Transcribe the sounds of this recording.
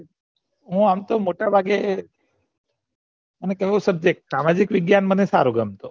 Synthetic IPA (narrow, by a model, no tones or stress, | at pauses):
ɦũamt̪omoʈabʱaɡe | mənekeʋosəb̚d͡ʒek̚ʈsamad͡ʒikʋɪɡjanmənesa̰ɾoɡəmt̪o